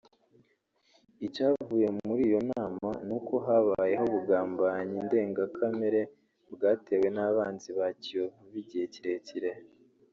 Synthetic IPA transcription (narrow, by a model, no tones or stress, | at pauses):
icaːvuːje̞muɾiːjo̞naːmanuko̞ɦaβaje̞ɦo̞βuɡaːmbaɲiːnde̞ːŋɡakʰameɾe̞ | bɡaːte̞we̞naβaːnziβacijovuβiɟiheciɾe̞ciɾe